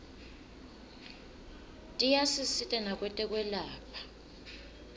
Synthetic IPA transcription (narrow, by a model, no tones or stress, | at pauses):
tʼijasisitʼɛnak̬ʼwɛtʼɛk̬ʼwɛlaːpʰḁ